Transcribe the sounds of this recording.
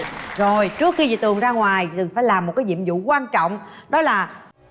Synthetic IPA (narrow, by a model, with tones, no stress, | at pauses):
zo˨˩jt͡ɕɨ˦˥ək̚xi˧vḭ˧˨t̪ɨ˨˩əŋzaː˧ŋwaː˨˩jt̪ɨ˨˩faː˧˩jlaː˨˩mo˨˩kaː˨˦jɲḭ˧˨əmzṵ˧˨kwaː˧nt͡ɕɔ̰˧˨wŋ͡mɗɔ˨˦laː˨˩